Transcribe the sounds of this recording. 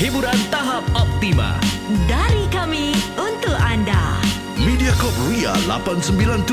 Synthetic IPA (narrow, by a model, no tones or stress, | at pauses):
hibuɾant̪aɦap̚ɔp̚t̪ima̰daɾikamiunt̪ʊkanda̰ | midiakɔp̚ria̰la̰pansəmbilant̪